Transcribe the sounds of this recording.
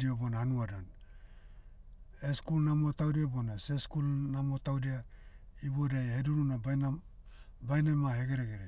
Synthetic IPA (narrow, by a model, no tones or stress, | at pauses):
diobonahanuadon | eskulnamo̞tawdiabonaseskulnamo̞tawdiaiβodajheduɾunabn | bajnemaɦe̞ɡe̞ɾeɡeɾe